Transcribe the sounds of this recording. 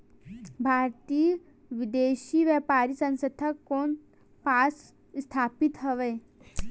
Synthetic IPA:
bʱaːɾt̪i | ʋɪd̪eːʃiʋjɛːpaːɾisə̃nsət̪ʰəkːoːn | paːs | st̪ʰaːpit̪ɦəʋeː

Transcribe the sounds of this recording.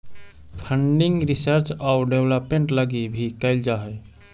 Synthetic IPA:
pʰəɳɖiŋɡɾisəɾt͡ʃauɖebləpmeɳʈləɡibʱikəɪld͡ʒaɦɛj

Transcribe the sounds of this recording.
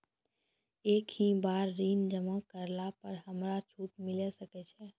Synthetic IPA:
eːkɦĩbaːɾːiːnd͡ʒəmakəɾlapəɾɦəmɾat͡ʃʰuːt̪mɪlɛsəkɛt͡ʃʰɛ

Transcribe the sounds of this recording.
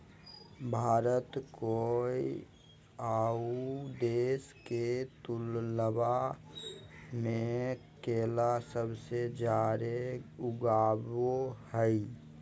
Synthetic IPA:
bʱaːɾət̪koi | aud̪eːsket̪ʊlləba | mẽkeːlasəbsed͡ʒaɾeʊɡaːbohəi

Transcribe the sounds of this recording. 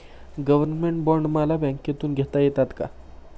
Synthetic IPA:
ɡəʋəɾnmeɳʈbɔɾɳɖməlabɛ̃ŋkjet̪uːnɡʱet̪ajet̪at̪ka̰

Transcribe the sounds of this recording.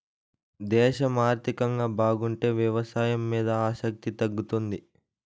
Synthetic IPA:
d̪ɛːʃɐmaːɾt̪ikɐŋɡaːbaːɡuɳʈe̞ːʋjɐʋɐsaːjɐmːiːd̪ɐaːʃɐk̚t̪it̪ɐɡːut̪und̪i

